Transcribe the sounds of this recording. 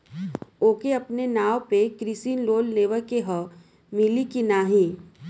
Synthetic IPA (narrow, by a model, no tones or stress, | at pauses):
oːkeɐpnenaːwpekɾisiːnloːlneːʋəɾkeɦɔ | mɪlikinaːɦĩː